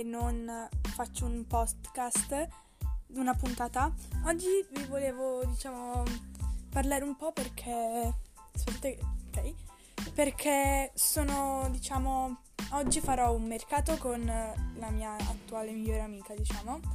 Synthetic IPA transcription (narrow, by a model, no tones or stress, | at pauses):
nːonfat͡ʃːoumpɔst̪kast̪ | unapunt̪aːt̪aɔd͡ʒːivivoleːvod̪it͡ʃaːmo | parlaːɾeumpɔperkʰe | spt̪ut̪ːeokɛj | perkʰesoːnod̪it͡ʃaːmo | ɔd͡ʒːifaɾɔumːerkaːt̪okonlamiːaa̰t̪ːuaːlemiʎːoːɾeamiːkad̪it͡ʃaːmo